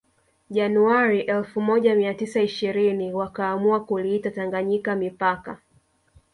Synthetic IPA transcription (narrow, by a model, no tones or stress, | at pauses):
ʄanuaɾiʔɛlfumɔʄamiatisaiʃiɾiniwakaːmuakuliitataŋɡaɲikamipaka̰